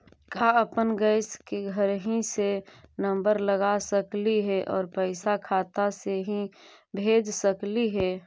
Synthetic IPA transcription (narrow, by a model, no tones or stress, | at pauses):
kaəpənɡəɪskeɡʱəɾɦĩsenə̃mbəɾləɡasəkliɦɛʔɔːɾpəɪsakʰaːt̪aseɦĩbʱeːd͡ʒsəkliɦɛː